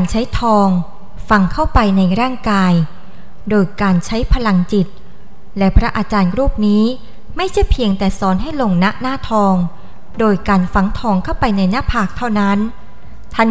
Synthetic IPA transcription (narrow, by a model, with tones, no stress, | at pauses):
a˧nt͡ɕʰa˦˥jt̪ʰɔː˧ŋ | fa˧ŋkʰa˥˩wpa˧jna˧jɾaː˥˩ŋkaː˧j | doː˧jkaː˧nt͡ɕʰa˦˥jpʰa˧la˧ŋt͡ɕi˨˩t̪̚ | lɛ˦˥pʰɾa˦˥ʔaː˧t͡ɕaː˧nɾuː˥˩p̚niː˦˥ | ma˥˩jt͡ɕʰa˥˩jpʰi˧əŋt̪ɛː˨˩sɔː˦nɦa˥˩jlo˧ŋna˦˥ʔnaː˥˩t̪ʰɔː˧ŋ | doː˧jkaː˧nfa˨˩ŋt̪ʰɔː˧ŋkʰa˥˩wpa˧jna˧jna˦˥˩pʰaː˨˩k̚t̪ʰa˥˩wna˦˥n | t̪ʰa˥˩n